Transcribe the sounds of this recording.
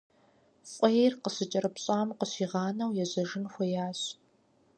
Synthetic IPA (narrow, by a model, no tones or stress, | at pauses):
ɕʷʼɔjrqəɕɨt͡ʃʼɐɾɨpɕʼaːmqəɕiːʁɑːnɐwjɛʑɐʒɪnxʷɔjaːɕ